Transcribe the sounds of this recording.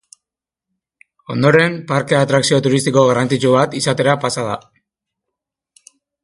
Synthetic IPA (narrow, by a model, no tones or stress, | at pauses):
o̞nd̪o̞ɾe̞mpaɾkeat̪ɾaksio̞t̪uɾist̪iko̞ɣarant͡sit͡ʃuβat̪isat̪e̞ɾapasað̞a